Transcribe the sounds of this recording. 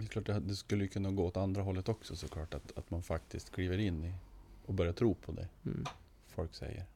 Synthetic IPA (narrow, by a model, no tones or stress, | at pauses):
jkʰlɑːʈ̚d̪ɛd̪ɛskɵlːəjɵkʰɵnːaɡoːɔt̪and̪ɾaɦɔlːət̪ɔksɔsɔkʰlɑːʈat̪a̰t̪manfak̚t̪ʰɪskt̪kʰliːvəɾɪnːɪɔbœɾjat̪ʰɾuːpʰɔd̪ɛ̰ | fɔlksɛ̰jːə̰ɾ